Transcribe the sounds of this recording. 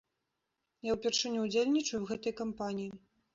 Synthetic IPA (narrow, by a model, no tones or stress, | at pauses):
jawpʲɛrʂɨnʲːɛud͡zʲelʲnʲit͡ʂɐjuwɣɛt̪ɐjkampanʲiji